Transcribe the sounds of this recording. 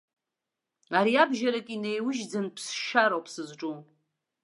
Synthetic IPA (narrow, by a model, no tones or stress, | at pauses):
aɾiabʒaɾakʼinejwʊʒd͡zanpʰsʃaɾowpʰsɨzʈ͡ʂʼum